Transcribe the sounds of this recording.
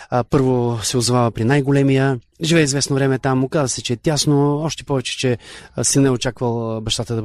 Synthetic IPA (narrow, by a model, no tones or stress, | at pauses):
pɤɾvosɛozovavəpɾinajɡolɛmijə | ʒivɛɛizvɛsnovɾɛmɛt̪amʊkazəsɛt͡ʃɛːt̪ʲjasnoɔʃt̪ɛ̥pɔvɛt͡ʃɛ̥t͡ʃɛsinɛot͡ʃakvəlˠbɐʃt̪at̪əd̪ɐ